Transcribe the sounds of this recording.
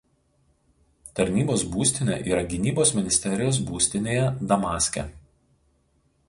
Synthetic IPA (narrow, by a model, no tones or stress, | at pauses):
t̪ɐɾʲnʲiːboːsbuːsʲt̪ʲɪnʲḛːʔiːɾɐɡʲɪnʲiːboːsmʲɪnʲɪsʲt̪ʲɛɾʲɪjoːs̬buːsʲt̪ʲɪnʲeːjɛd̪ɐmɑːsʲkʲɛ̰